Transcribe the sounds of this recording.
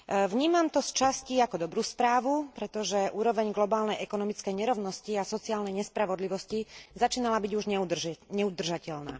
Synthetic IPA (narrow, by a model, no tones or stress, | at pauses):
ʋɲiːmamt̪ɔst͡ʃasciːakɔd̪ɔbɾuːspɾaːʋupɾɛt̪ɔʒɛʔuːɾɔʋɛɲɡlɔbaːlnɛjʔɛkɔnɔmit͡skɛjɲɛɾɔʊnɔsciasɔt͡siaːlnɛjɲɛspɾaʋɔd̪liʋɔscizat͡ʃiːnalabiɟuʒɲɛurɲɛud̪r̩ʒacɛʎna̰ː